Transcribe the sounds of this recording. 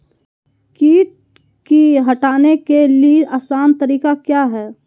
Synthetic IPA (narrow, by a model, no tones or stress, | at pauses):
kiːʈ̚ | kiɦɐʈaːnekelieʔaːsaːnt̪ɐɾiːkakjaːɦɛː